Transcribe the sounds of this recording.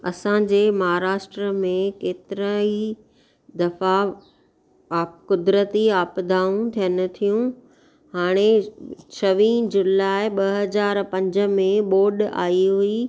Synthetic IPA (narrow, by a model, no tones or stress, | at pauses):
ɐsãd͡ʑeːmɐɦaɾaːʃʈɾəmẽkeːt̪ɪɾəi | d̪ɐfa | kʊd̪ɾət̪iaːpd̪ʱaːũt̪ʰijənɪ̆t̪ʰijũ | haːɽ̃et͡ɕʰɐʋĩːd͡ʑʊlaːɪɓɐɦɐzaːɾpɐ̃ɲd͡ʑə̆mẽɓoːɖa̰ːiɦui